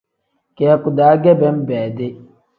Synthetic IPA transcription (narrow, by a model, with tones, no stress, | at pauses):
kɛ˨ɛ˨ku˨daː˨˦ɡɛ˦bɛ˦m˦bɛː˨de˦